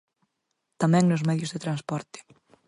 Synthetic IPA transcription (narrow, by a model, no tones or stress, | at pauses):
t̪amɛ̃ŋnosmɛðjʊzðet̪ɾanspɔɾt̪ɪ̥